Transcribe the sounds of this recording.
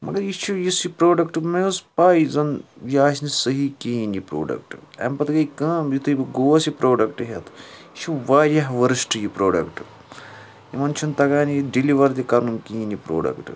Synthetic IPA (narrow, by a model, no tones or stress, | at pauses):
mɐ̰ɡɐɾjit͡ʃʰujisipɾoːɖɐkʈɨmespaːizɐnjaːsnisəɦikiːnipɾo̰ːɖɐ̰k̚ʈɨɐ̰mpɐt̪ɡɐjkãːmjit̪ʰɨjibɨɡoːʋɐsipɾoːɖɐkʈɨɦet̪ʰit͡ʃʰuʋaːɾʲjɐɦʋɐɾɨsʈɨjipɾoːɖɐkʈɨ | imɐnt͡ʃʰunt̪ɐɡaːniɖiliʋɐɾd̪ʲikɐɾnumkiːnipɾo̰ːɖɐ̰kʈɨ